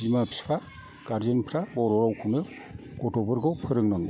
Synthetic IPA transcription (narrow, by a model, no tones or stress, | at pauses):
imapʰi̥spʰa | ɡ̥aɾzɯnpʰɾabɔɾɔɾawkʰunɯ | ɡ̥ɔtɔbɯɾɡɔpʰɯɾɯŋnɯŋ